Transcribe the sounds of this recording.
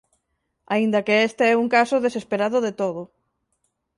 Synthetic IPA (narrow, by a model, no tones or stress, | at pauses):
a̰ind̪akeest̪eɛuŋkasʊðesespeɾaðʊðet̪oðʊ